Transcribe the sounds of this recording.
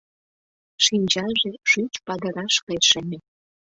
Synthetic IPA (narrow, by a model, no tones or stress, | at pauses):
ʃinʲt͡ɕɑʒeʃyt͡ɕpɑd̪ə̆ɾɑʃkeʃəme